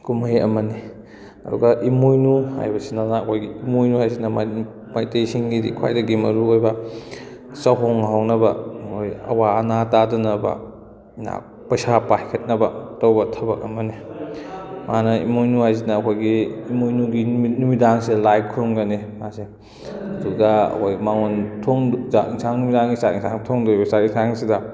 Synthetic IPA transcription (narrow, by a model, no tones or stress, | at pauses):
kumajɐ̰mɐni | ɐ̰dṵɡɐʔimojnuha̰jbɐsinanɐːkʰojɡiimojnuhajs̬inɐma | majtejsiŋɡidḭkʰwa̰jdɐɡimɐ̰ɾuojbɐ | sɐɦoŋɦawknɐbɐkʰojɐ̰waɐnatadɐnɐbɐ̰ | na̰ | pɐjsapajkʰɐt̚nɐbɐtowbɐtʰɐbɐk̚ɐmɐni | manɐḭmojnuajzinɐːkʰojɡiːmojnuɡinumidaŋselaj̚kʰuɾumɡɐnimase | ɐduɡɐɐ̰kʰojmaŋontʰoŋzaʔiŋsaŋnumidaŋɡisatiŋsʰa̰ŋtʰoŋdojbɐsatiŋsaŋsidɐ